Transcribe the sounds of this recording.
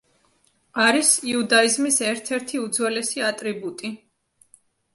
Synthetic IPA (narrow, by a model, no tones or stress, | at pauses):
aɾisiud̪aizmisɛɾt̪ʰɛɾt̪ʰiud̪zwɛlɛsiat̪ʼɾibut̪ʼi